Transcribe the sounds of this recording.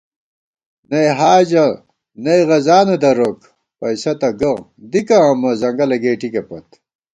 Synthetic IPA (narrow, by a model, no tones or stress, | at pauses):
nɐjɦaːd͡ʑɐ | nɐjɣɐzaːnɐd̪ɐɾok | pɐjsɐt̪ɐɡɐ | d̪ikɐːmɐzɐŋɡɐlɐɡeːʈikɐpɐt̪